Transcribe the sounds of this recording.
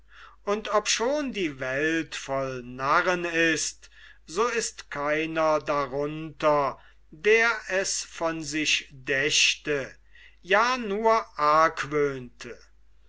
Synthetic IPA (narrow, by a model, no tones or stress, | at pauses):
ʔʊntʰɔpʃoːndiːvɛltfɔlnaʁənɪstz̥oːɪstkʰaɪnɐdaʁʊntɐ | deːɐɛsfɔnzɪʃdɛʃtə | jaːnuːɐʔaɐkvøːntʰə